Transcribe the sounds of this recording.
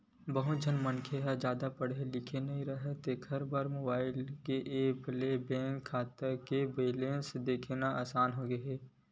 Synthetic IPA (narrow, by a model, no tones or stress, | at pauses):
bɐɦʊt̪̚d͡ʒʱənmənkʰeɦɐd͡ʒjaːd̪apɐɽelɪkʰenɐɦĩɾɐɦet̪ekʰɐɾbaːɾmoːbaːɪlkeʔeːblebɛ̃ːŋkʰːaːt̪əɾkebeːlẽːnsed̪eːkʰenaaːsaːnɦoɡɐɦeː